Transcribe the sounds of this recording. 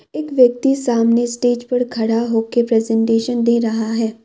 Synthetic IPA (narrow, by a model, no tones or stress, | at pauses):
eːkʋjək̚t̪isaːmnesʈeːd͡ʒpɐɾkʰɐɽaɦoːkepɾɛːzɛ̃ɳʈeːʃənd̪eːɾɐɦaɦɛː